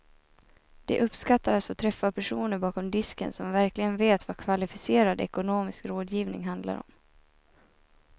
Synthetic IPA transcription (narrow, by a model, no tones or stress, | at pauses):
d̪̥ɛ̰ʔɵpskat̪ːaɾat̪foːt̪ʰɾɛfːapʰæʂuːnəɾbɑːkɔmd̪ɪskə̰nsɔmvæɾklɪɡənveːt̪vakʰvalɪfɪseːɾad̪ɛ̰kʊnoːmɪskɾoːd̪jiːvnɪ̰ŋɦand̪la̰ɾɔ̰m